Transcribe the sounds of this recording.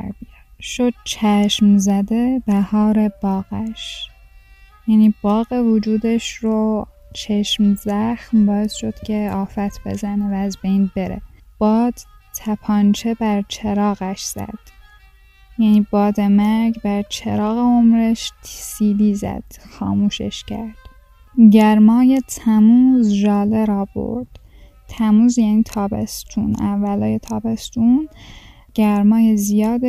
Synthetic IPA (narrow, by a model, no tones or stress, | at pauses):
ʃod̪̥̚t͡ʃʰæʃmzæd̪e̞b̥æhɒːɾe̞b̥ɒːɣ̥æʃ | jæːniːb̥ɒːɣe̞vod͡ʒuːd̪eʃɾo | t͡ʃʰeʃmzæxmbɒːe̞sʃo̞d̪̥cʰe̞ɒːfæt̪ʰb̥e̞̰zænevæːzbejnbe̞ɾḛ | b̥ɒːd̪̥t̪ʰæpʰɒːnt͡ʃʰe̞bæɾt͡ʃʰeɾɒːɣæʃz̥æ̰d̪̥ | jæniːbɒːd̪emæɾɡbæɾt͡ʃʰeɾɒːɣeomɾeʃt̪ʰisiːliːzæ̰d̪̥xɒ̰ːmuːʃḛʃcʰæ̰ɾd̪̥ | ɟæɾmɒːjet̪ʰæmuːzʒɒːleɾɒːbo̞̰ɾd̪̥ | t̪ʰæmuːzjæniːt̪ʰɒːbḛst̪ʰunævːælɒːjet̪ʰɒːbest̪un | ɟ̥æɾmɒːjezijɒːd̪e